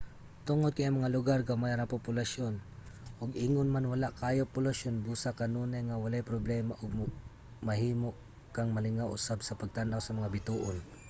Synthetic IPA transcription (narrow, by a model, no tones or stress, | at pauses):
t̪ʊŋod̪̚kajʔaŋmɐŋalʊɡaɾkamajaɾapopʊlaʃon | ʔʊɡiŋʊnmanwalaʔkaːjopʊlaʃonbuːsakanuːnajŋawalajpɾoblɛːmaʔʊɡ̚ | mɐɦiːmoʔ | kaŋmɐlɪŋawʔʊ̰sabsɐpaɡ̚t̪anʔawsɐmɐŋabɪt̪uːʔon